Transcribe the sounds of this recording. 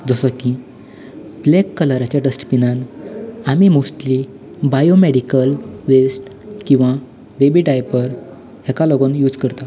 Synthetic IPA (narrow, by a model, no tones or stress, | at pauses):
d͡zəsəki | blekːələɾat͡ɕjaʈəsʈpinãnamimosʈli | bajomeɽikəlʋesʈ | kĩw̃ʋa | bebiʈajpəɾ | hɛkaloɡonjuːd͡zkəɾt̪a